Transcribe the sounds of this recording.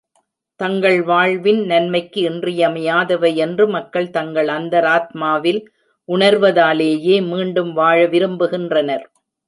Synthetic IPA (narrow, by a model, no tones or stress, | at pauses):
t̪ɐŋɡɐɭʋaːɻʋɪnnɐnmɐɪkːɯɪndrɪjɐmɐjaːðɐʋɐɪɛndrɯmɐkːɐɭt̪ɐŋɡɐɭɐnd̪ɐɾaːt̪maːʋɪl | ʔʊɳɐɾʋɐðaːleːjeːmiːɳɖɯmʋaːɻɐʋɪɾɯmbɯɣɪndrɐnɐɾ